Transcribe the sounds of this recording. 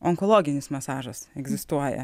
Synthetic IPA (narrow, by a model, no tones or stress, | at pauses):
ɔŋkɔlˠoːɡʲɪnʲɪsmɐsɑːʒɐsɛɡzʲɪst̪uɔjɛ̰